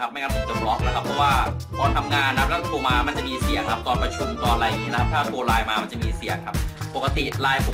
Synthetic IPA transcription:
a˦˥pma˥˩jŋaː˧˥˩pʰːt̪o˧mlɔ˦˥k̚na˦˥kʰa˦˥pʰːɾɔ˦˥waː˥˩ | pʰɔː˧t̪ʰa˧mŋaː˧nːa˧˦˥p̚lɛ˦˥˩t̪ʰuː˧maː˧ma˧nt͡ɕa˨˩ʔmiː˧si˨˩əŋkʰa˦˥p̚t̪ɔː˧npɾa˧t͡ɕʰu˧mt̪ɔː˧nɾaː˧jniː˦˥na˦kʰa˦p̚t̪ʰaː˥˩t̪u˧ɐɾaː˧jmaː˧ma˧nt͡ɕa˨˩miː˧si˨˩əŋkʰa˦˥p̚po˨˩kːa˧t̪i˨˩ɾaː˧jpʰu˨˩

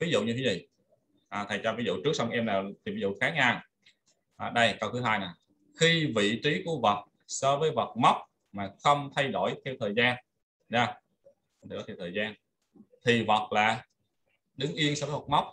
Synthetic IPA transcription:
vi˨˦zṵ˧˨ɲɨ˧t̪ʰe˨˦zi˨˩ | ʔaː˨˩t̪ʰə˨˩jt͡ɕɔ˧vi˨˦zṵ˧˨t͡ɕɨ˦˥ək̚sa˧wŋ͡mʔɛ˧mlaː˨˩t̪ʰi˨˩vi˨˦zṵ˧˨xaː˨˦ɲaː˧˩ | ʔaː˨˩ɗə˧jkə˧wt̪ʰɨ˨˦ɦaː˧jna˨˩ | xi˧vḭ˧˨t͡ɕi˨˦ku˧˩əvə˨˩t̚ | sɔː˧vəː˨˦jvə˨˩t̚ma˦˥wk͡p̚ | maː˨˩xə˧wŋ͡mt̪ʰa˧jɗo̰˧˩jt̪ʰɛ˧wt̪ʰəː˨˩jzaː˧n | zaː˧˩˧ | ə˨˩ɗo˨˦t̪ʰːwt̪ʰːjzaː˧n | t̪ʰi˨˩və˨˩t̚laː˨˩ | ɗɨ˨˦ŋʔi˧ənsɔː˧və˨˦və˨˩t̚ma˦˥wk͡p̚

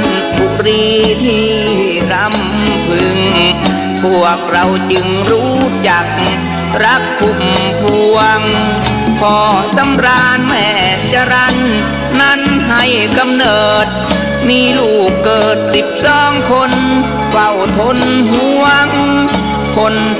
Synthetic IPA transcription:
u˧˩ɾiː˧t̪ʰiː˧ | ɾa˧˥m | pʰɯ˧ŋ | pʰu˧˩ək̚ɾa˧wt͡ɕɯ˧ŋɾuː˦˥t͡ɕa˨˩k̚ | ɾa˦˥p̚t̪ʰu˧˩mpʰu˧əŋ | pʰɔː˧sa˧˦mɾaː˧nmɛː˧˩ | t͡ɕa˧ɾa˧˥nː | a˧˥˩nɦa˨˧˩jka˧mnɤː˨˩t̪̚ | miː˧luː˧˩kːɤː˨˩t̪̚si˨˩p̚sɔː˧˥˩ŋkʰo˧n | fa˧˩wt̪ʰo˧˥nɦu˧˥əŋ | kʰo˧n

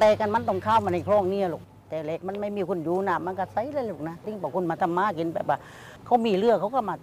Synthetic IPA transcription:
t̪ɛː˨˧ka˧˨nma˧˥˨nt̪ɔ˧˩ŋkʰaː˧˥˨wma˧˨nha˧˨˩kʰlɔː˧˩˨ŋni˧˨ə˨lu˨˩k̚ | t̪ɛː˨˧lɛ˧˩k̚ma˧˥˨nma˧˥˩jmiː˧˩kʰu˧˥˨njuː˧˦naː˧˩ma˧˥˨nka˧˩sa˧˨jlaː˧˨luː˨˩k̚na˧˨t̪i˧˨ŋpɔː˧˩kʰu˧˨nmaː˧t̪ʰa˧˨mːaː˧˥˨ki˨˦nbɛ̰ː˨˩p̚waː˧˩ | kʰa˧˩wmiː˧˩˨lɯ˧˩əkʰa˧˩wka˧˩maː˧˩

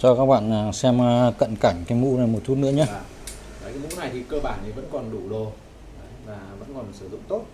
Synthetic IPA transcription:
t͡ɕɔ˧kaː˦˥k̚ɓa̰ː˧˨naː˨˩sɛ˧mː˧kə̰˧˨nkaː˧˩ŋ̟kaː˨˦jmṵ˧˥na˨˩mo˨˩t̪ʰu˦˥mḭɨ̰˧˥əɲa˧˨ | a˨˩˧u˧˦˥na˨˩jt̪ʰi˨˩kəː˧ɓaː˧˩nʔi˨˩və̰˧˥nkɔ˨˩nɗu˧˩ɗo˨˩˨ | laː˨˩və̰˧˥nkɔ˨˩nsɨ˧˩zʊ̰˧˨ŋ͡mt̪o˦˥t̚

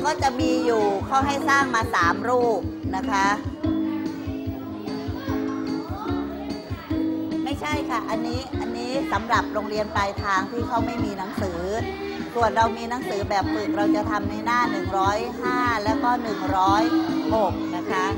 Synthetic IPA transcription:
kɔː˥˩t͡ɕa˨˩ʔmiː˧juː˨˩kʰa˦˥˩wɦa˥˩jsaː˥˩ŋmaː˧saː˩˦mɾuː˥˩p̚na˦˥kʰa˦˥ | ma˥˩jt͡ɕʰa˥˩jkʰa˥˩ʔa˧nːiː˦˥ʔa˧nːiː˦˥sa˩˦mɾa˨˩p̚ɾoː˧ŋɾi˧ənpaː˧jt̪ʰaː˧ŋt̪ʰiː˥˩kʰa˦˥wma˥˩jmiː˧na˩˦ŋsɯː˩˦ | su˨˩ənɾa˧wmiː˧na˩˦˥ŋsɯː˩˦bɛː˨˩p̚pɯː˨˩k̚ɾa˧wt͡ɕa˨˩t̪ʰa˧mna˧˩jnaː˥˩nɯ˨˩ŋɾɔː˦˥jhaː˥˩lɛː˦˥wkɔː˥˩nɯ˨˩ŋɾɔː˦˥jho˨˩k̚na˦˥kʰa˦˥

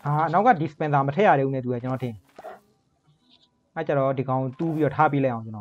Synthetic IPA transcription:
a˨na˦ʊkːa˦˨di˨spɛ̃˨nt̪a˨mətʰɛ̰˦˨ja˨ɾɛ˨˦˨u˦˨nɛ˦˨t̪̬u˨a˦˨t͡ɕə˨nɔ˨tʰɪ̃˨ | a˦˨t͡ɕa˦˨ɔ˦di˨ɡã˦ʊ̃ŋo˨t̪u˦pi˦ɾɔ˨tʰa˦p̬e˦lã˦˨ʔã˨ʊ̃t͡ɕə˨nɔ˦˨

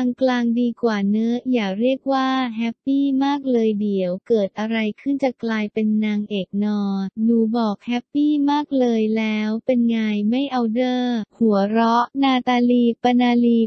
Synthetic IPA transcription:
aː˧ŋklaː˧ŋdiː˧kwaː˨˩nɤ˦˥ʔjaː˨˩ɾi˥˩ək̚waː˥˩ɦɛ˦˥pːiː˥˩maː˥˩k̚lɤː˧jdi˨˩˦əwkɤː˨˩t̪̚ʔa˧ɾa˧jkʰɯ˥˩nt͡ɕa˨˩klaː˧jpe˧nːaː˧ŋʔeː˨˩k̚nɔː˧nuː˧˩bɔː˨˩k̚hɛ˦˥pːiː˥˩maː˥˩k̚lɤː˧jlɛː˦˥wpe˧nŋaː˧jma˥˩jʔa˧wdɤː˥˩hu˨˩˦əɾɔ˦˥ʔnaː˧t̪aː˧liː˧˩pːa˧naː˧liː˧˩

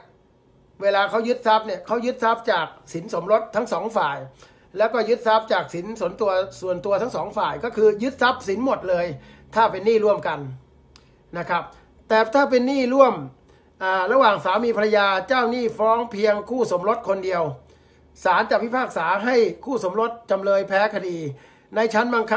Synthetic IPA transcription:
weː˧laː˧kʰa˦˥wjɯ˦˥t̪̚sa˦˥p̚ni˥˩əkʰa˦˥wjɯ˦˥t̪̚sa˦˥p̚t͡ɕaː˨˩k̚si˩˦nso˩˦mɾo˦˥t̪ʰːa˦˥ŋsɔː˩˦ŋfaː˨˩j | lɛː˦˥wkɔː˥˩jɯ˦˥t̪̚sa˦˥p̚t͡ɕaː˨˩k̚si˩˦nsu˨˩˦nt̪u˧ɐsu˨˩ənt̪u˧t̪ʰa˦˥ŋsɔː˩˦ŋfaː˨˩jkɔː˥˩kʰɯː˧jɯ˦˥t̪̚sa˦˥p̚si˨˩˦nmo˨˩t̪̚lɤː˧jt̪ʰaː˥˩pe˧nːiː˥˩ɾu˥˩əmka˧n | na˦˥kʰɾa˦˥p̚ | t̪ɛː˨˩t̪ʰaː˥˩p̬e˧nːiː˥˩ɾu˥˩əm | ʔaː˨˩ɾa˧waː˨˩ŋsaː˩˦miː˧pʰa˧a˧jaː˧t͡ɕaː˥˩wniː˥˩fɾɔː˦˥ŋpʰi˧əŋkʰuː˥˩so˩˦mɾo˦˥t̪̚kʰo˧ndi˧əw | saː˩˦nt͡ɕaː˨˩k̚wi˦˥˩pʰaː˥˩k̚saː˩˦ɦa˥˩jkʰuː˥˩so˩˦mɾo˦˥t̪̚t͡ɕa˧mlɤː˧jpʰɛː˦˥kʰa˧diː˧ | na˧jt͡ɕʰa˦˥nbaː˧ŋkʰa˦˥

